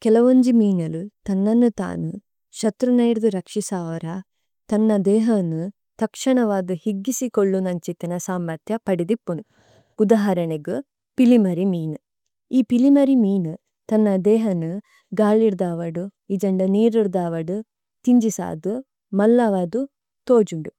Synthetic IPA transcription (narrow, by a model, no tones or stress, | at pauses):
kɛlɐʋoɲd͡ʒimiːnɐlut̪ɐnːɐnːut̪a̰ːnu | ʃɐt̪ɾunɐjɾd̪uɾɐkʂisaːʋɐɾɐ | t̪ɐnːɐd̪ɛːɦɐnu | t̪ɐkʂɐɳɐʋaːd̪uhiɡːisikoɭːunɐɲt͡ʃit̪inɐsaːmːɐɾt̪ʰjɐpɐɽid̪ipːunu | ud̪aːɦɐɾɐɳeɡu | pilimɐɾimiːnu | iːpilimɐɾimiːnu | t̪ɐnːɐd̪ɛːɦɐnu | ɡaːɭiɾd̪aːʋɐɽuid͡ʒɐɳɖɐniːɾiɾd̪aːʋɐɽu | t̪iɲd͡ʒisa̰ːd̪u | mɐlːaːʋaːd̪u | t̪oːd͡ʒuɳɖu